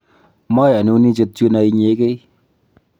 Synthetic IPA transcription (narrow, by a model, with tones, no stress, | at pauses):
mɔ˦ja˨nu˦ni˦t͡ʃe˧t̚t͡ʃu˦na˧i˧ɲe˨˦ke˦j